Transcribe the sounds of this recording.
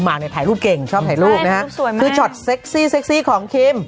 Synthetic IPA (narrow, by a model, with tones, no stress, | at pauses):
maː˨˩k̚na˧jt̪ʰaː˨˩jluː˥˩p̚ke˨˩ŋt͡ɕʰɔː˥˩p̪̚ʰaː˨˩jɾuː˥˩k̚na˦˥kʰa˦˥u˨˩˨ɯː˧t͡ɕʰɔ˨˩t̪̚seː˦˥k̚siː˥˩seː˦˥k̚siː˦˥˩kʰɔː˩˦ŋkʰiː˧˥m